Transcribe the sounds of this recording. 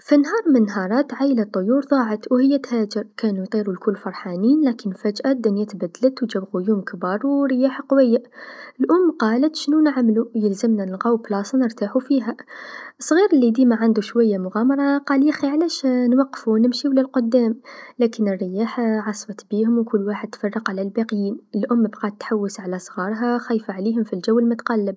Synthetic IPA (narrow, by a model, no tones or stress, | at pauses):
finɦɑːɾˤmɪnɦɑːɾˤɑːt̪ʕajlat̪ˤːʊjuːɾˤðˤɑːʕat̪whɪjːat̪haːd͡ʒɪɾkaːnujt̪ˤiːɾulkʊlːfɑɾˤħaːniːnlaːkɪnfad͡ʒʔad̪ːʊnjat̪bad̪ːlat̪wd͡ʒabɣʊjuːmkbɑːɾˤwɾɪjaːħqwɪjːaəlʔʊmːqɑːlat̪ʃnunaʕmlujəlzɪmnanɪlɣaːwblɑːsˤɑnəɾt̪aːħufiːɦaʔɨsˤːɣiːɾɪlːid̪iːmaʕand̪uʃwajːamʊɣɑmɑɾˤɑqɑːlixiʕalæʃnwɑqːfunɪmʃiwlælqʊd̪ːæːmlæːkɪnərːɪjaːħʕɑsˤfɑt̪biːhʊmwkʰʊlːwaːħəd̪̚t̪fɑrˤːɑqʕalalbaqjiːnəlʔʊmːbqɑːt̪ːħawːəsʕalasˤɣɑːɾˤɦaxæjfaʕaliːhʊmfild͡ʒawːəlmʊt̪qɑlːəb̚